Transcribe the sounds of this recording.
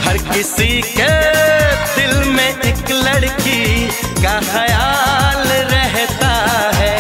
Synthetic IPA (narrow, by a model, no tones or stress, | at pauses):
hɐɾkɪsike | d̪ɪlmẽɪklɐɽki | kaxɐjaːlɾɛɦt̪aɦɛː